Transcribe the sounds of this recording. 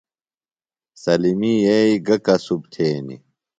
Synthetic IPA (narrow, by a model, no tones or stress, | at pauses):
sɐlimijeiɡɐkɐsub̚t̪ʰeːnḭ